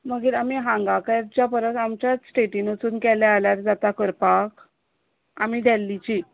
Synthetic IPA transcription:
məɡiːɾamiɦãŋɡakaɾ̚d͡ʑjapəɾət̪amt͡ɕjasʈeʈinət͡suːnkɛlɛaljaɾd͡zat̪akəɾpak | amid̪ʱɛlːit͡ɕi

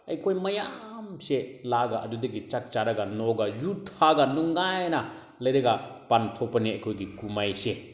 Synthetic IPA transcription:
ɐjkʰojmɐjamselaɡaʔɐdudɐɡit͡ʃak̚t͡ʃaɾɐɡɐnɔɡɐjutʰaɡɐnuŋːajnɐ | lɐjɾeɡapantʰɔpɐniɐjkʰojɡikumajse

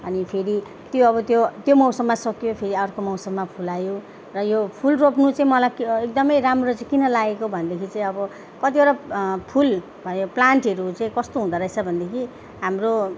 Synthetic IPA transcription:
ʌnipʰeɾi | t̪joʌβʌt̪jot̪jomʌwsʌmːasʌkjopʰeɾiʌrkomʌwsʌbːapʰulajo | rʌjopʰulropnut͡saĩmʌlajkek̚d̪ʌmʌjɾamrot͡saĩkinʌlaɡekobʱʌnd̪ekʰit͡saĩʌbʌ | kʌt̪ibaɾapʰul | bʱʌjoplaɳʈʌɾut͡saĩkʌst̪oɦũd̪ʌɾʌet͡sʰʌbʱʌnd̪ekʰi | ɦamro

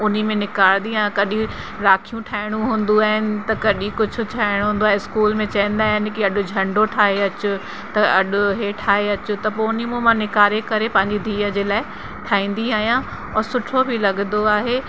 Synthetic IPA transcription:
ʊnimẽnɪkaːɽ̃nd̪iãkɐɗĩ | ɾaːkʰijũʈʰaːɦɪɽ̃ũɦũːnd̪uaːɦɪnɪ̆t̪ɐkɐɗĩkʊd͡ʑʱʊ̆tʰaːɪɽ̃ɦũːn̆d̪oaːɦeɪskuːlmẽt͡ɕɐə̃n̆d̪aːɦɪnɪ̆kiɐɗʊ̆d͡ʑʱɐ̃ɳɖoʈʰaːɦeɐt͡ɕʊ | t̪ɐɐɗʊɦeʈʰaːɦeɐt͡ɕʊt̪ɐpoːʊnimũmãnɪkaːɾekɐɾepɐ̃ɦɪ̃ɲd͡ʑid̪ʱiːəd͡ʑeːlaːɪ | ʈʰaːĩːn̆d̪iaːɦijã | ɔːɾsʊʈʰobʱɪlɐɠnd̪oaːɦeː

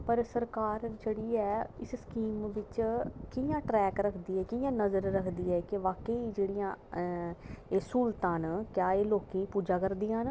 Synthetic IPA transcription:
pəɾsəɾkaːɾd͡ʒeːɽiːɛːɪsskiːmʋɪt͡ʃkɪjãːʈɾɛːkɾəkʰd̪iːɛːkɪjãːnəzəɾːəkʰd̪iːɛːkɪʋaːkeiːd͡ʒeːɽɪjãː | eːsuːlt̪ãːnkjaːeːloːkĩːpuːd͡ʒaːkəɾd̪iːãːn

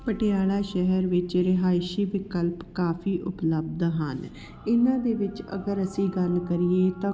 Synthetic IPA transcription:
pəʈejaːɭaːʃɛɦɛɾʋɪt͡ʃɾɪɦaːɪʃiːʋɪkəlpkaːfʰiːʔʊpləb̚d̪ɦən | ɪnãːd̪eːʋɪt͡ʃə̰ɡəɾəsĩːɡəlkəɾieːt̪ãː

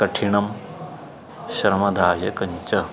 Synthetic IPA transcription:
kɐʈʰiɳɐm | ɕɐɾmɐd̪ʱaːjɐkɐɲt͡ʃɐ

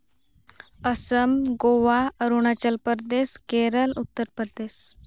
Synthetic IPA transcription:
əsəmɡoʋaəɾuɳ̃at͡ɕəlpəɾd̪eskeɾəlut̪ːəɾpəɾd̪es

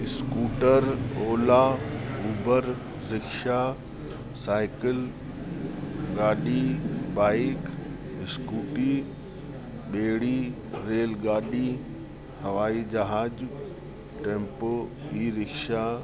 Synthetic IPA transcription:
ɪskuːʈəɾoːlauːbəɾː | ɪkʃa | saːɪkɪl | ɡaːɗibaːɪk | ɪskuːʈi | ɓeːɽi | ɾeːlɡaːɗi | hɐʋaːid͡ʒɐɦaːd͡ʒ | ʈẽːmpoiːɾɪkʃa

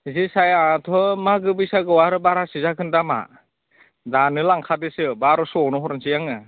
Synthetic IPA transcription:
zisajatʰɔmaɡɯbɯsaɡɯwaɾɯbaɾasizakʰɯndama̰ | danɯlaŋkʰadesɯbaɾɔsɔɔnɔɦɔɾɔnsijaŋɯ

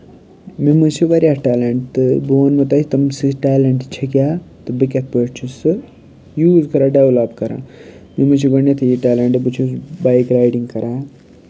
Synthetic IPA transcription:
mimɨt͡ʃʰiʋɐɾʲaʈaːleɳʈt̪ɨboːnmɐt̪aːit̪ɐmsiʈaːleɳʈt͡ʃʰɐkʲjaːt̪ɨbɨkʲɐt̪̚ʰpəʈt͡ʃʰisɨ | juːzkɐɾaːɖeʋlapkɐɾa̰ːmimɨt͡ʃʰiɡɐɳjet̪ʰɨjiʈaːleɳʈɨbɨt͡ʃʰusbaːjkɾaːjɖiŋɡkɐɾaː

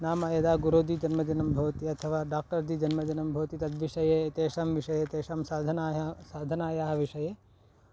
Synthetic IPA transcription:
naːmɐjɐd̪aːɡuɾoːd̪iːd͡ʒɐnmɐd͡ʒɐnɐmbʱɐʋt̪iɐt̪ʰɐʋaːɖaːk̚ʈɐɾd̪iːd͡ʒɐnmɐd͡ʒɐnɐmbʱɐʋt̪it̪ɐt̪ʋiʃɐjet̪eːʃɐmʋiʃɐjet̪eːʃɐmsaːd̪ʱɐnasaːd̪ʱɐnaːjaːɦɐʋiʃɐje

